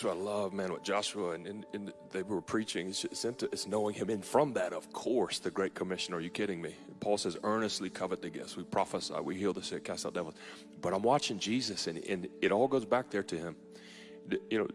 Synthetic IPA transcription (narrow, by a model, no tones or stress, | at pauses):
alʌvmæ̃nwətd̥ʒ̥ɑʃuəɨ̃nɨ̃nɨ̃n | ðeɪwə˞pʰɹ̥it͡ʃɪ̃ŋɨsɪ̃ntɨʔɨtsnoʊɪ̃ŋɨ̃mɨ̃nfɹʌ̃mðɨɾʌv̥kʰɔɹsðɨɡɹeɪt̚kʰəmɪʃɨ̃nə˞jɨkʰɪɾɪ̃ŋmi | pʰɔlˠsɛzɜ̃˞nɨstˡlikʰʌvɨt̪̚ðɨɡɛ̰st̚wipʰɹ̥ɑfəsa̰ɪwihilˠðɨsɪkʰæstaʊt̚d̥ɛvl̩ˠz̥ | b̥ʌɾãɪ̃mwɑt͡ʃɪ̃ŋd͡ʒizɨsɨ̃nɨ̰̃nɨɾɔlˠɡoʊzbæk̚ðə˞ɾɨɪ̃m | jɨnoʊ